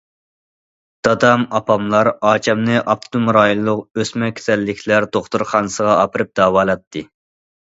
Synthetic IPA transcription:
d̪̥ɑd̪ɑmɑpɑmlˠɑɾɑːt͡ʃʰɛmnɨʔɑft̪ʰumɾɑːjilˠːʊqøsmɛkʲʰe̥sɛlːɪkʲʰlæɾd̪oχt̪uɾχɑnɨsəʁɑɑpʰɨɾɨp̚d̪ɑːwɑːlˠɑt̪ʰːɨ

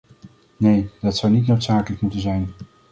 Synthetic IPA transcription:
nejdɑtsʌwnitnowtsaːkələkmutənzɛjn

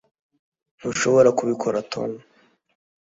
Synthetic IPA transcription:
n̥uʃo̞βo̞ɾakuβikʰoɾatʰo̰no

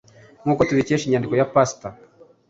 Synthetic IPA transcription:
ŋ̥uːkotuβiceʃiɲandiko̞japasta

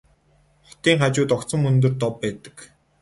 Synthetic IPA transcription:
χɔ̥t̪iːŋχat͡ɕʊːt̪ɔkt͡sə̆mɵnt̪̬ɵ̆rt̪ɔpːæːt̪ə̥̆k

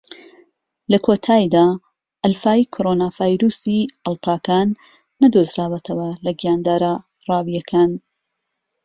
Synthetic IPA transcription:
lɐkʰot̪ʰaːjd̪aː | ʔɐlfaːjikʰoɾoːnaːvaːjɾuːsiɐlˠpʰaːkaːnː | ɐd̪ozɾaːwɛt̪ʰɐwɐlɐɡijaːnd̪aːɾa | rˤɑːwijɐkʰaːn

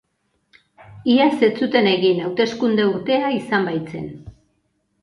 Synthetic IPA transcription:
iase̞t͡sut̪e̞ne̞ɣinawt̪e̞skund̪e̞uɾt̪e̞aisambajt͡se̞̰n

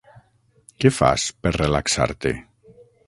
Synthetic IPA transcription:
kefa̰speɾrelaksa̰ɾt̪ḛ

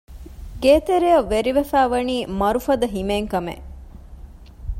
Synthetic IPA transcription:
ɡeːt̪eɾejɐʋːeɾiʋefæːʋɐniːmɐɾufɐd̪ɐɦimeːŋkɐmḛ

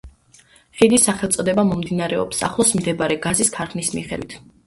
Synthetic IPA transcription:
χid̪isːaχɛlˠt̪sʼɔd̪ɛbamɔmd̪inaɾɛɔ̰psa̰χlˠɔsmd̪ɛbaɾɛɡaziskʰaɾχnismḭχɛd̪wit̪ʰ

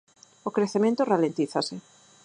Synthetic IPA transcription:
okɾeθemẽnt̪oralẽnt̪iθasɪ

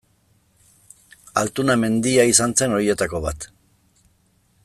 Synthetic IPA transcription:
a̰lt̪uname̞nd̪iaisant͡se̞no̞ɾie̞t̪ako̞βa̰t̪

